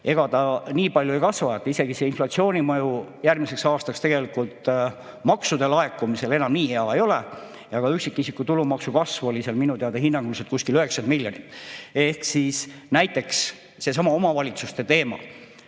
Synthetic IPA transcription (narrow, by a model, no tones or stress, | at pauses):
e̞ɡ̥ɑt̪ɑniːpɑlʲjuejkɑsvɑjɑt̪ːˑise̞ɡ̥iseinflɑt̪sio̞ːnʲimɤjujærmise̞ksɑːst̪ɑkst̪e̞ɡ̥e̞likult̪ | mɑksud̪̥e̞lɑe̞kːˑumise̞lenɑmniːheɑe̞jo̞le | jɑɡ̥ɑyksikːˑisikːˑut̪ulumɑksukɑsvuo̞liseɑlminut̪eɑd̪̥ehinːɑŋɡ̥ulset̪̚kuskiløhe̞ksɑnd̪milʲjo̞nit̪ːˑe̞hksisnæjt̪ːˑe̞ks | se̞s̬ɑmɑo̞mɑvɑlʲit̪sust̪e̞t̪e̞ːmɑ̰